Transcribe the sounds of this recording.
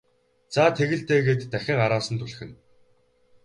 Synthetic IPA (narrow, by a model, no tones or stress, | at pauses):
t͡saːt̪ʰeɣɘ̆ɮt̪eːɣeːt̪ːæxʲɪ̆ŋaɾaːsə̆nt̪ʰuɮ̆xɘ̆n